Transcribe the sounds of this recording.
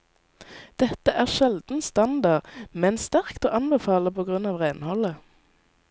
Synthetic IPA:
d̪̥ɛt̪əʔæːʁʃɛld̪n̩st̪ɑnd̪ɑʁmɛnst̪æʁkt̪oːʔɑnbəfɑːləpʰoːɡʁʉnɑːʋʁæɪnhɔlə

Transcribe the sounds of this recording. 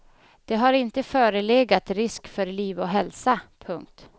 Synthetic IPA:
d̪̥ɛɦaɾɪnt̪əfœːɾəleːɡat̪ɾɪskfœɾliːvɔɦɛlsapʰɵŋk̚t̪

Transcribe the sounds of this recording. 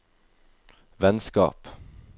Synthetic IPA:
ʋɛnskɑ̰ːp

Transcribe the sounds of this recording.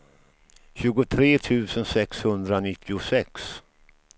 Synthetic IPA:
ɕʉ̟ːɡʊt̪ʰɾeːt̪ʰʉ̟ːsənsɛkshɵnd̪ɾanɪt̪ʰːɪʊsɛks

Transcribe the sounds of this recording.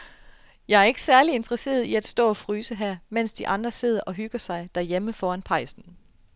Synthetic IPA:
jɑ̈ɪæɐe̝ɡ̥ə̥sæɐlie̝nd̥ʁɐse̝̰ːɐðˠiæd̥sd̥ɔ̰ːɒ̽fʁyːsəɦæɐ̰men̰sd̥iʔɑ̈nd̥ʁɐse̝ð̰ˠɐʔɒ̽ɦyɡ̥ɐsɑ̈ɪd̥æɐjeməfɒːænpʰɑ̈ɪsn̩

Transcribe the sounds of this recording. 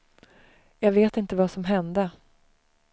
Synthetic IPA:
jɑːɡveːt̪ɪnt̪əvasɔmɦɛnd̪ə

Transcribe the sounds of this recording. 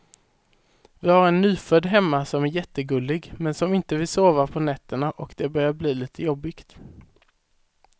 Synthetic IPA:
vɪhaɾɛnːy̟ːfœd̪ɦɛmːasɔmæɾjɛt̪ːəɡɵlːɪɡmɛnsɔmɪnt̪əvɪsoːvaɾpʰɔnɛt̪ːəɳaʔɔkd̪̥ɛbœɾjaɾbliːliːt̪ʰəjɔbːɪkt̪

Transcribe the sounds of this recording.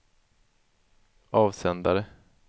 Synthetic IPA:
ɑːvsɛnd̪aɾə

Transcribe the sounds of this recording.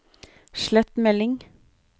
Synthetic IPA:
ʃlɛt̪mɛlɪŋ

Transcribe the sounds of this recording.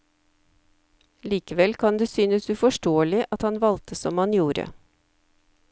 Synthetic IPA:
liːkəʋɛlkʰɑnd̪eːsyːnəsʉfɔʃʈoːəlɪʔɑt̪hɑnʋɑlt̪ʰəsɔmhɑnjuːɾə̰

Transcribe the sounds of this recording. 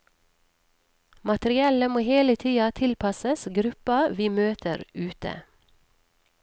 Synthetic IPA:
mɑt̪ɾɪɛləmoːheːlət̪ʰiːɑt̪ʰɪlpʰɑsəsɡɾʉpɑʋiːmøːt̪ʰə̰ɾʉːt̪ə̰

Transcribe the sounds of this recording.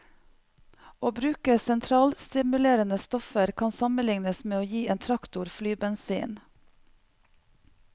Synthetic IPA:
oːbɾʉːkəsɛnt̪ʰɾɑːlst̪ɪmʉleːɾənəst̪ɔfəɾkʰɑnsɑməlɪŋnəsmeːoːjiːeːnt̪ʰɾɑkt̪ʊɾflyːbɛnsḭːn

